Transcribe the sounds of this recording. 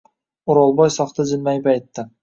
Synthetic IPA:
ʊɾɒlˠbɒjsɒχt̪ʰad͡ʒɪnmajbajt̪ːɪ

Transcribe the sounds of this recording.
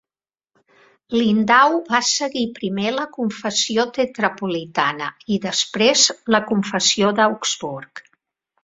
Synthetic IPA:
lind̪awβasəɣipɾimeləkuɱfəsiot̪ət̪ɾəpulit̪anə̰iðəspɾezləkuɱfəsioðəukz̥βuɾk

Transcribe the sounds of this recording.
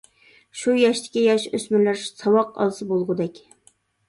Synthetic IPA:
ʃujɑʃt̪ʰɪ̥kʲijɑʃøsmɪlæɾsɑwɑqɑ̰lˠsɨbolˠʁʊd̪ɛkʲ

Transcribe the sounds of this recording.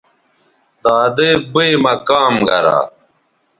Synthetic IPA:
t̪aːd̪eːbemɐkaːmɡɐ̰ɾa̰ː

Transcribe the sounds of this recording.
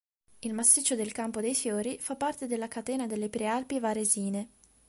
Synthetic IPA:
ilmasːit͡ʃːod̪elkampod̪ejfjoːɾifapːart̪ed̪elːakat̪ɛːnad̪elːepɾealpivaɾeziːne

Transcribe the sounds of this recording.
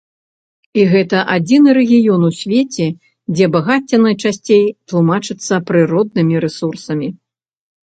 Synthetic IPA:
iɣɛt̪ɐʔad͡zʲinɨɾɛɣʲijɔnusʲvʲet͡sʲɛ | d͡zʲɛbaɣat͡sʲːɐnɐjt͡ʂasʲt͡sʲejt̪lˠumat͡ʂɨt̪sːɐpɾɨɾɔd̪̚nɨmʲiɾɛsursɐmʲi

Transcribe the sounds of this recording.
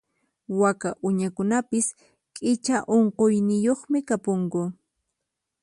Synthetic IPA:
wakaʔʊɲakʊnapɪs | kʼɪt͡ʃaʔoɴqojnɪjoχmɪkapoŋkʊ

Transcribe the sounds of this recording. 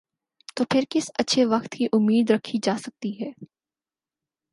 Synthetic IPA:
t̪oːpʰɪɾkɪsɐtːʃʰeʋɐxt̪kiʔʊmːiːd̪ɾɐkʰid͡ʒaːsɐk̚t̪iɦɛː

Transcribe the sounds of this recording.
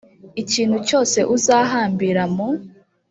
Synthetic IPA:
iciːn̥huco̞ːse̞ʔuzaːɦaːmbiɾamo

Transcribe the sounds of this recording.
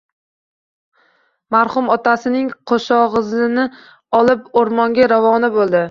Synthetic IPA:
maɾχʊmɒt̪asɪnɪŋqʰoʃɒʁɨzlɪnɪ | ɒlˠɪpoɾmɒŋɡʲaɾavɒnɪbolˠd̪ɪ

